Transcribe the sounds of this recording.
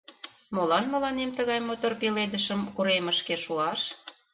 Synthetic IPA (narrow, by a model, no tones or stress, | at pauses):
molɑnmə̆lɑnemt̪əɣɑjmot̪orpiled̪əʃəmkuɾeməʃkeʃuɑʃ